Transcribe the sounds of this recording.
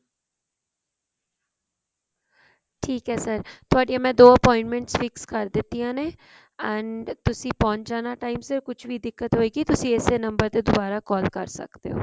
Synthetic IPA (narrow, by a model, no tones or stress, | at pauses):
ʈʰiːkɦɛːsəɾt̪ʊaːɖijãːmɛ̃ːd̪oːəpɔːɪ̃ɳʈmɛ̃ɳʈsfɪkskəɾd̪ɪt̪ːijãːneː | ɛnt̪ʊsĩːpɔ̃ːnd͡ʒaːnaːʈaːimsɪɾkʊt͡ʃʰʋiːd̪ɪkːət̪ɦoːeːɡiːt̪ʊsĩːeːseːnəmbəɾt̪eːd̪ʊbaːɾaːkɔːlkəɾsə̰kd̪ḛːo̰ː